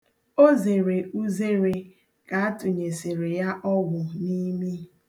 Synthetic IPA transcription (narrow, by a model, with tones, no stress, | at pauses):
o˦ze˨ɾe˨u˦ze˦ɾe˨ | ka˨a˦tʊ˨ɲe˨se˨ɾe˨ja˦ʔɔ˦ɡʷʊ˨ni˦mi˦